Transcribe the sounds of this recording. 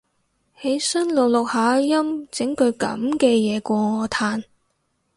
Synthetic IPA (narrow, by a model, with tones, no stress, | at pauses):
he˨˥jsɐ˥nlo˨w̚lʊ˨k̚haː˨˧jɐ˥mt͡sɪ˨˥ŋkɵ˨˧ɥkɐ̰˨˥mkɛː˧jɛː˨˧kʷɔː˧ŋɔː˨˧t̪ʰaː˧n